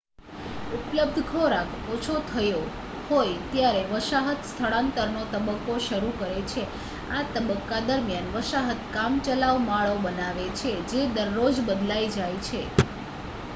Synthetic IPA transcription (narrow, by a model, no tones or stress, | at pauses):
upləb̚d̪ʱkʰoɾakʰot͡ʃʰot̪ʰəjo | hojt̪jaɾeʋəʃaɦət̪st̪ʰəɭãnt̪əɾnot̪əbəkːoʃəɾukəɾet͡ʃʰe | at̪əbəkːad̪əɾmjanʋəʃaɦət̪kamt͡ʃəlaʋmaɭobənaʋet͡ʃʰed͡ʒed̪əɾːod͡ʒbəd̪laid͡ʒajt͡ʃʰe